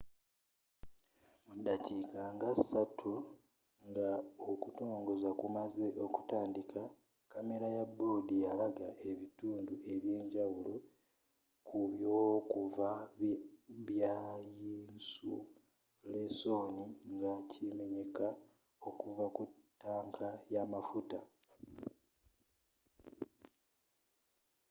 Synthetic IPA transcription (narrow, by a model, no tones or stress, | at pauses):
mudːacikaŋɡasatʰu | ŋɡaokuto̞ːŋɡo̞zakumaze̞ʔo̞ku̥taːndika | kame̞ɾajabːo̞ːdijalaɡaʔe̞βituːndue̞βje̞ːɲɟawulo̞ | kuβjo̞ːkuva | βjajiːnsu | le̞so̞ːniŋɡacʰime̞ɲe̞ka | o̞kuvakuttːaːŋkʰajamafuta